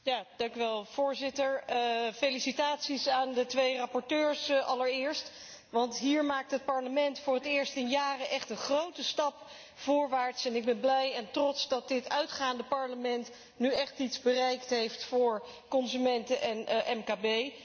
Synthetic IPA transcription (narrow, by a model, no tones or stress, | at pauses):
jaːd̥ɑŋkyʋɛlˠv̥ʊːɹzɪtəɹfejlisitaːtsisaːndətʋejrɑpɔɹtøːɹsʔɑləɹɪːɹst | ʋɑntɦiːɹmaːk̚tɦət̚pɑɹləmɛntfʊːrətɪːɹstɪnjaːrəʔɛχtənχrowtəstɑp | vʊːɹʋaːɹtsɛnɪɡ̚bɛnblɛjɛntrɔtsdɑt̚dɪtœɥtχaːndəpɑɹləmɛnt | nyɛχtitzbərɛjktɦejftfʊːɹ | kɔnzymɛntəʔɛnʔɛmkaːbej